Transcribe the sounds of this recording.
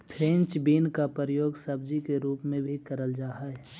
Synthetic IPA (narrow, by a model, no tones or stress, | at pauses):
pʰɾẽnt͡ʃbiːnkapəɾəjoːɡsɐb̚d͡ʒikeɾuːpmẽbʱikəɾəld͡ʒaːɦaɛ